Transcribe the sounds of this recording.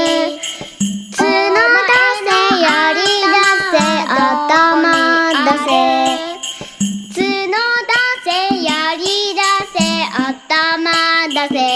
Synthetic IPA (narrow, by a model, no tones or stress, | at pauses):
t͡sɨnod̪asejaɾʲid̪aseat̪amad̪ase | t͡sɨnod̪asejaɾʲid̪aseat̪amad̪ase